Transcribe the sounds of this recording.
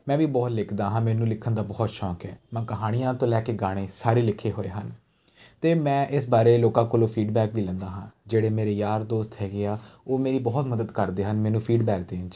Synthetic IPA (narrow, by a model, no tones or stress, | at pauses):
mɛ̃ːʋiːbɔːt̪lɪkʰd̪aːɦãːmɛːnũːlɪkʰənd̪aːbɔːt̪ʃɔːkɛːmɛ̃ːkəɦaːɽ̃ɪjãːt̪õːlɛːkeːɡaːɽ̃eːsaːɾiːlɪkʰːeːɦoːḛːɦən | t̪eːmɛ̃ːʔɪsbaːɾeːloːkãːkoːlõːpʰiːɖbɛːkbʱiːlɛ̃ːnd̪aːɦãːd͡ʒeːɽeːmeːɾeːjaːɾd̪oːst̪ɦɛːɡeaːoːmeːɾiːbɔːt̪məd̪əd̪kəɾd̪eːɦənmɛːnũːpʰiːɖbɛːk̚d̪ẽːt͡ʃ